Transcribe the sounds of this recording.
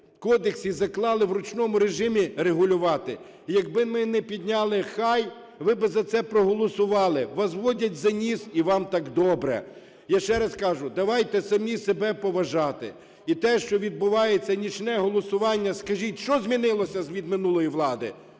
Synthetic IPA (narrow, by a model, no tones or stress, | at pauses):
kɔd̪eksizɐklˠɑlˠɪʋɾʊt͡ʃnɔmʊɾeʒɪmʲiɾeɦʊlʲʊʋɑt̪ɪ | jɐɡbɪmɪnɛpʲid̪ʲnʲɑlˠɪxɑj | ʋɪbɪzɐt̪sɛpɾɔɦɔlˠɔsʊʋɑlˠɪʋɑzʋɔdʲɐtʲzɐnʲisiʋɑmt̪ɑkd̪ɔbɾɛ̰ | jaʃt͡ʃɛɾɐskɑʒʊd̪ɐʋɑjt̪ɛsɐmnʲisebɛpɔʋɐʒɑt̪ɪ̰ | it̪ɛʃt͡ʃɔʋʲid̪̚bʊʋɑjet͡sʲːɐnʲit͡ʃnɛɦɔlˠɔsʊʋɑnʲːɐskɐʒʲitʲʃt͡ʃɔzʲmʲinɪlˠɔsʲɐzʋʲid̪mɪnulˠɔjiʋlˠɑd̪ɪ̰